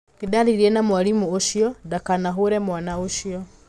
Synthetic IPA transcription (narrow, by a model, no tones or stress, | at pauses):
kidaɾiɾiɛnamwalimuoʃiɔdakanaɦoɾɛmwanaoʃiɔ